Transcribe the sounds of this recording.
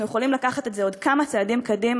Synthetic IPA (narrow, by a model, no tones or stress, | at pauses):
nujeχolimlakaχat̪etzeo̞dkamat͡seːdimkod̪im